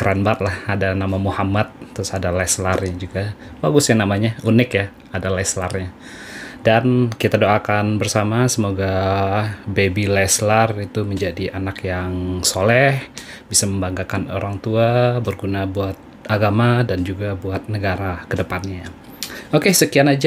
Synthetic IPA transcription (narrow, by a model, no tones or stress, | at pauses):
kəɾanbat̪̚lahadanamamuhamat̪̚ːɾʊsadalɛslarɲad͡ʒuɡabaɡusɲanamaɲaunɪkja | adalɛslarɲa | dankit̪adoakanbərsamasəmoɡa | bebilɛslarit̪uməɲd͡ʒadiʔanakjaŋsolɛh | bisaməmbaŋɡakano̰ɾaŋt̪uabərɡunabuat̪̚ | aɡamadand͡ʒuɡabuat̪̚nəɡaɾakədəpanɲa | okesəkianad͡ʒa